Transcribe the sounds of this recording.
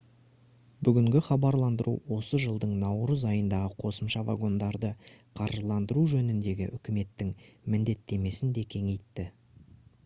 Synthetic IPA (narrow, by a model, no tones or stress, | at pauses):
bʏɡʲɪŋɡʲɪχɑbɑɾlˠɑnd̪əɾʔṵwo̞səʒəlˠd̪əɴnɑwɾəzɑjənd̪ɑʁəqʰo̞səmʃɑva̰ɡo̞nd̪ɑɾd̪əqʰɑɾʒlˠɑnd̪əɾuʒɵnɪnd̪e̞ɡʲɪ̰ʔʏkʲɪme̞t̪ːɪŋmɪnd̪e̞t̪ːe̞me̞sɪnd̪e̞kʲʰe̞ŋe̞jt̪ːɪ